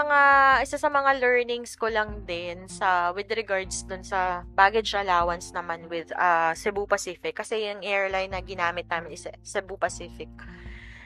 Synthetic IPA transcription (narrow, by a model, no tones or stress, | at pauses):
mɐŋaʔɪsasɐmɐŋalɛɹnɪŋskolɐŋd̪ɛnsɐwɪd̪ɾɛɡaɹd̪sd̪ʊnsɐbaːɡɛd͡ʒʔɐlaːwɐnsnɐmanwɪd̪ɐsɛbupɐsiːfɪkːɐsɛjʊŋʔɛɹlajnːɐɡɪnaːmɪt̪̚naːmɪnɪssɛbupɐsiːfɪk̚